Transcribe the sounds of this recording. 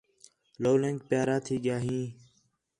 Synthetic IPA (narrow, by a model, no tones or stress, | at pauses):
loːlẽŋk̚pjaːɾaːt̪ʰiːɠɪjaːɦĩː